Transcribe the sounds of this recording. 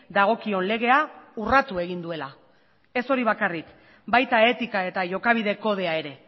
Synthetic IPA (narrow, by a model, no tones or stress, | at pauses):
d̪aɣ̞o̞kio̞nle̞ɣ̞e̞aurat̪ue̞ɣ̞ind̪ue̞la | e̞so̞ɾiβ̞akarik | bajt̪ae̞t̪ikae̞t̪aʝo̞kaβ̞iðe̞ko̞ðe̞ae̞ɾe̞